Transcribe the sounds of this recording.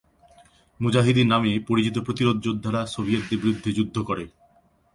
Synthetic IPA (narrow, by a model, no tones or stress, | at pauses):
mud͡ʑaɦid̪iɾnamipoɾit͡ɕit̪opɾot̪iɾod̪̚d͡ʑod̪ʱːaɾasobijet̪ːebɾid̪ʱːid͡ʑud̪ʱːokɔɾe